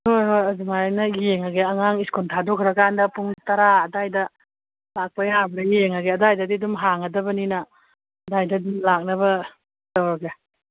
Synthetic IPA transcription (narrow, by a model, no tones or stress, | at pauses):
oɾojadumanɐjeŋaɡeɐŋaŋiskontʰadokʰɾɐkandɐpuŋtɐɾaːdajdɐ | lak̚pɐjabɾɐjeŋaɡeɐdajdɐdidumɦaŋɐdɐbɐninɐ | dajdɐdumlak̚nɐbɐ | dawɾaɡe